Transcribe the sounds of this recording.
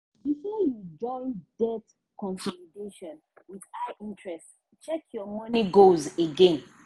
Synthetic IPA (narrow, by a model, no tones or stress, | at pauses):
bifɔjud͡ʒɔ̃ɪ̃ndɛt | kɔ̃nsɔlideʃɔ̃n | wiðaʔĩntɹɛst | t͡ʃɛkʰjɔmɔniɡozeɡẽn